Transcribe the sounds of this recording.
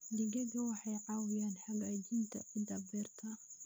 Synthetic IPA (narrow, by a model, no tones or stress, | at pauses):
d̪ɪɡɐɡɐwɑħɑjʕɑːwɪjaːnħawaːd͡ʒiːnt̪ʰɐ̰ʔʊd̪ɐbɛːrt̪ʰɐ